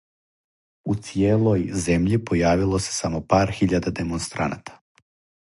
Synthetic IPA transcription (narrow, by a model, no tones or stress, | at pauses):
ut̪sijeːlˠojze̞mʎipo̞jaːʋilˠo̞se̞̥samo̞paːɾxiʎad̪ad̪e̞monst̪ɾa̰na̰t̪ʰḁ